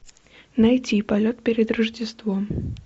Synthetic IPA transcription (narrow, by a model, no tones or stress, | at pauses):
nɐjtʲipɐlʲot̪̚pʲeɾʲɪd̪ɾəʐdʲɪst̪vom